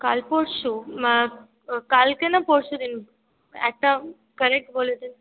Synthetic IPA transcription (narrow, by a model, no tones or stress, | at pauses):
kalpoɽɕu | kalkẽnapoɽsud̪in | ɛ̰t̪ːã | kəɾek̚ʈboled̪in